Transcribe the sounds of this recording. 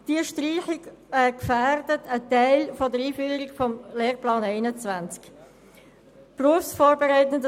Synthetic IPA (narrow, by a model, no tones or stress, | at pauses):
d̥iəʃtriːχikɛkfæːrdətʰətɛɪlfodəɾiːfyːɾikfɔmleːrplɑːnɛɪnət͡svant͡sk | pruəfsfoːɾbɛʁaɪtənd